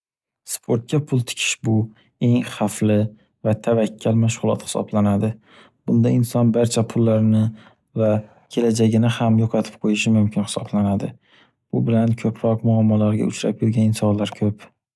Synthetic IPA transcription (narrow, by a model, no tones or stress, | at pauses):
spʰoɾt̪̚kʰʲapʰʊlˠt̪ʰɪ̥kʲʰɪ̥ʃbʊ | e̞ŋχaflɪ | vat̪ʰavakʲʰːalmaʃʁʊlˠɒt̪hɪ̥sɒ̰blanad̪ɪ | b̥ʊnd̪aɪnsɒnbaɾt͡ʃʰapʰʊlːaɾnɪ | va | kʲʰe̞lad͡ʒaɡʲɪnɪhamjoqʰɑt̪ʰɪ̥p̚qʰojɪʃɪmʊmkʲʰɪnhɪ̥sɒblanad̪ɪ | b̥ʊbɪlankʲʰɵpʰɾɒqmʊamːɒlaɾɡʲa̰ʊt͡ʃɾa̰pjʊɾɡʲanɪnsɒnlaɾkʲʰɵp